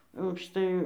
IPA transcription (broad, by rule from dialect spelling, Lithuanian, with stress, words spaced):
ɐʊkʃˈtɐɪ